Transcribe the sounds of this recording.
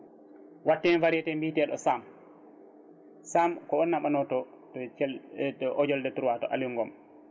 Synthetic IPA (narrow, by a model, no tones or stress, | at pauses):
watːɛnfaɾɛtɛmbitɛɗɔ̰sam | samkɔɔnːaɓanɔtɔ | ʔɔd͡ʒɔldɛtuɾwatɔʔa̰liŋɡɔm